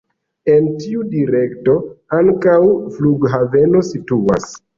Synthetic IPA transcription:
e̞ntiudiɾe̞kto̞aŋkawfluɡɦave̞no̞situa̰s

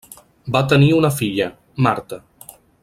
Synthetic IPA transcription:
bat̪əniunəfiʎə | maɾt̪ə

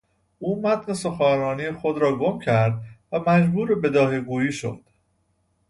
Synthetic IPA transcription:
ʔuːmæt̪ʰneso̞xæːɾɒːnijexo̞d̪ɾɒːɡo̞mcʰæɾd̪̚væmæd͡ʒbuːɾebe̞d̪ɒːɦeɡuːjiːʃo̰d̪̥

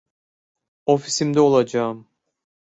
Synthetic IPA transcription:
ofisimd̪ɛo̞lˠad͡ʒɑɯm

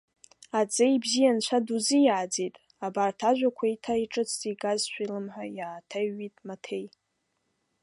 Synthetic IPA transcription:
at͡sʼejbzijant͡ɕʷʰaduzijaːd͡zijtʼ | abartʰaʒᶣʷakʷʰaitʰaiʈ͡ʂʼɨt͡sʰtʼiɡazʃʷᶣilɨmħʷajaːtʰaɥːitʼmatʰe̞j

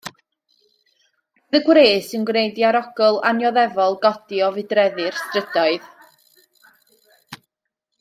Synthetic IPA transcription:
ðəɡwɾeːsɪnɡwnejdjaɾɔɡ̥ɔlˠanjɔðɛvɔlˠɡɔd̥iɔvɨdrɛðɨrstrəd̥ɔɨð

